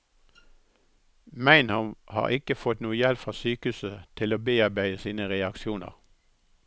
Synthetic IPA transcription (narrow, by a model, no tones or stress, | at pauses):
mæɪnhɔmhɑ̰ːʁɪkəfɔt̪nuːəjɛlpfʁɑːsyːkəʉːsət̪ʰɪloːbeːɑbæɪəsiːnəʁɛɑkʃuːnə̰ʁ